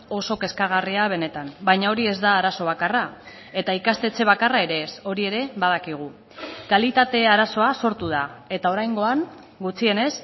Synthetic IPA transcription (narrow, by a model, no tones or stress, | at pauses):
o̞so̞ke̞skaɣ̞ariaβ̞e̞ne̞t̪ambajɲao̞ɾie̞zd̪aːɾaso̞β̞akara | e̞t̪aikast̪e̞t͡se̞β̞akarae̞ɾeso̞ɾie̞ɾe̞βaðakiɣ̞u | kalit̪at̪e̞aɾaso̞aso̞ɾt̪uð̞ae̞t̪ao̞ɾajŋɡo̞aŋ | ɡut͡sie̞ne̞s